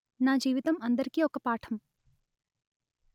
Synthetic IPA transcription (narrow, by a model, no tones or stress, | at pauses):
naːd͡ʒiːʋit̪ɐmɐnd̪ɐɾkiokɐpaːʈʰɐm